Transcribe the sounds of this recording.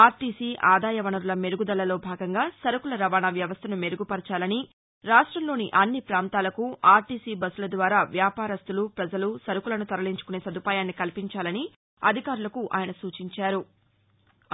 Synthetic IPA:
aːɾʈiːsiːʔaːd̪aːjɐʋɐnɐɾulɐme̞ɾuɡud̪ɐlɐlo̞ːbʱaːɡɐŋɡaːsɐɾukulɐɾɐʋaːnaːʋjɐʋɐst̪ʰɐnume̞ɾuɡupɐɾt͡ʃaːlɐni | ɾaːʂʈɾɐmlo̞ːniʔɐnːipɾaːnt̪aːlɐkuaːɾʈiːsiːbɐsulɐd̪ʋaːɾaːʋjaːpaːɾɐst̪ulupɾɐd͡ʒɐlusɐɾukulɐnut̪ɐɾɐliɲt͡ʃu̥kune̞ːsɐd̪ʱupaːjaːnːikɐlipiɲt͡ʃaːlɐni | ɐ̰d̪ʱikaːɾulɐkuʔa̰ːjɐnɐsuːt͡ʃiɲt͡ʃaːɾu

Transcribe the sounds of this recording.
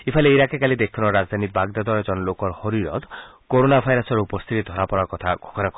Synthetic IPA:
ipʰaleiɾakekalid̪ekʰɔnɔɾad͡ʒd̪ʱanibaɡd̪ad̪ɔɾed͡ʒɔnɔlokɔɾhɔɾiɾɔ̰t̪koɾonabʱajɾɔsɔɾupɔst̪ʰit̪id̪ʱɔɾapɔɾakɔt̪ʰaɡ̥ʱɔɡɔnakɔ

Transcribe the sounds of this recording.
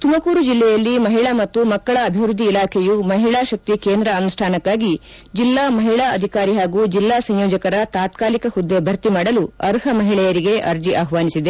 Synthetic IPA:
t̪umɐkuːɾud͡ʒilːɛjɐlːimɐɦiɭamɐt̪ːumɐkːɐɭɐːbʱiʋɾud̪ʱːiːlaːkʰɛjumɐɦiɭaːʃɐk̚t̪ikeːnd̪ɾɐɐnusʂʈʰaːnɐkːaːɡi | d͡ʒilːaːmɐɦiɭaːɐd̪ʱikaːɾiɦaːɡuːd͡ʒilːaːsɐ̃ɲjoːd͡ʒɐkɐɾɐt̪aːt̪̚kaːlikɐhud̪ːebʱɐɾt̪imaːɽɐluɐɾɦɐmɐɦiɭɛjɐɾiɡe̞ʔɐɾd͡ʒiʔaːɦʋaːnisid̪e̞

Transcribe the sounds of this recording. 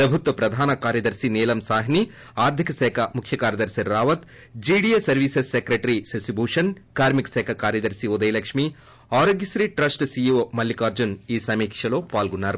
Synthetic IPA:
pɾɐbʱut̪ʋɐpɾɐd̪ʱaːnɐkaːɾjɐd̪ɐɾsineːlɐmsaːɦini | aːɾd̪ʱikɐsɛːkʰɐmukʰjɐkaːɾjɐd̪ɐɾsiɾːaːʋɐt̪ | d͡ʒiːɽijesɐɾʋiːsesːekɾeʈɾisɐsibʱuːʂɐnkaːɾmiksɛːkʰɐkaːɾjɐd̪ɐɾsiod̪ɐjlɐkʂmi | aːɾoːɡjɐsɾiʈɾɐsʈsijuʋmɐlːikaːɾd͡ʒuniːsɐmiːkʂɐloːpaːlɡuɳːaːɾ

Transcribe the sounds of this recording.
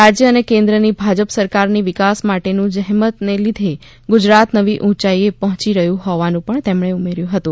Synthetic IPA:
ɾad͡ʒjəənekẽnd̪ɾənibʱad͡ʒəpsəɾkaɾniʋɪkasmaʈenũd͡ʒəɦmət̪nelid̪ʱe | ɡʊd͡ʒɾat̪nəʋiʔũt͡ʃaiepəɦɔ̃t͡ʃiɾəɦjũɦɔʋanũpəɳt̪emɳeumeɾjũɦət̪ũ

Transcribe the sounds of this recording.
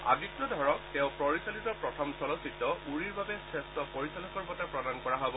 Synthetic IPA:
a̰bikɹɔdʱɔɹɔktɛʊ̃pɹɔɹisalitɔpɹɔtʰɔmsɔlɔsitɔuɹiɹbabɛsɛstɔpɔɹisalɔkɔɹbɔtapɹɔdankɔɹaɦɔbɔ

